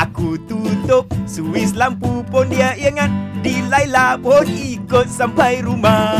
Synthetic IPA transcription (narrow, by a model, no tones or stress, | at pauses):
ʔakut̪ut̪ʊp̚suwislampupondiaʔiŋan̚dilajlabonikot̪̚sampajɾuma